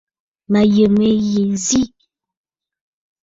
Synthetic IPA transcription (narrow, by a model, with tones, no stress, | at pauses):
ma˨jə˨me˨je˨zi˦˨